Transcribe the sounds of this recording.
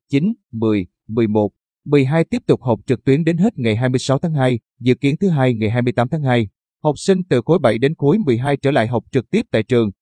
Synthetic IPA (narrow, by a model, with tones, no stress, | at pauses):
t͡ɕi˨˦nmɨ˨˩əj | mɨ˨˩əjmo˨˩t̚ | mɨ˨˩əjɦaː˧jt̪i˦˥əp̚t̪ʊ˨˩k͡p̚hə˨˩wk͡p̚t͡ɕɨ˨˩k̚t̪wi˨˦ənɗe˨˦nɦe˦˥t̚ŋa˨˩jɦaː˧jmɨ˧əjsa˨˦wt̪ʰaː˨˦ŋɦaː˧j | zɨ̰˧˨ki˨˦ənt̪ʰɨ˨˦ɦaː˧jŋa˨˩jɦaː˧jmɨ˧əjt̪aː˨˦mt̪ʰaː˨˦ŋɦaː˧j | hə˨˩wk͡p̚sï˧ŋ̟t̪ɨ˨˩xo˨˦jɓa˧˩jɗe˨˦nku˨˦əjmɨ˨˩jɦaː˧jt͡ɕəː˧˩la̰ː˧˨jɦə˨˩wk͡p̚t͡ɕɨ˨˩k̚t̪i˦˥p̚t̪a̰ː˧˨jt͡ɕɨ˨˩əŋ